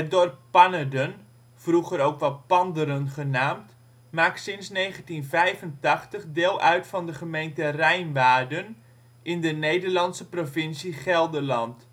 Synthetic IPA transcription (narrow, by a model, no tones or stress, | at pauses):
ət̚dorp̚pɑnədən | fruχəɾowkʋɑlpɑndəɾənχənaːmt | maːksɪnsnejχəntinvɛjvəntɑχtəχdɪːlˠʔœɥtfɑndəχəmejntərɛjnʋaːrdən | ʔɪndənejdərlɑntsəprovɪnsiχɛlˠdəlɑnt